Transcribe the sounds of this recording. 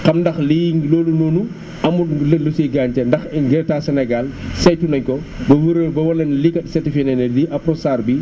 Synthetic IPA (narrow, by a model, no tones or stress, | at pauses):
kɐmdɐxlijŋloːlunɔːnu | ɐmulusiɡaːnt͡ʃɛndɐxɛɡɛɾɛtaːsɛnɛɡalsɐjtunɐɲkɔ | bɐwəɾəbɐwɐlɐnlikɐtsɛtifɛnɛnɛdiʔɐpɾɔsaːrbi